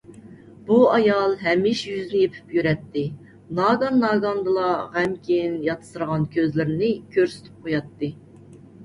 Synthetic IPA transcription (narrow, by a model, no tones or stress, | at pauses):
buɑjɑlˠɦɛmːɪʃjyznɪjepʰy̥pjyɾɛt̪ʰːɪ | nɑɡɑnːɑːɡɑnd̪ɨlˠɑʁæmkʲʰejinjɑt̪ʰɨ̥sɨɾəʁɑnkʲʰøzlɪɾɪnɪkʲʰøɾsy̥t̪ʰy̥p̚qʰojɑt̪ːɨ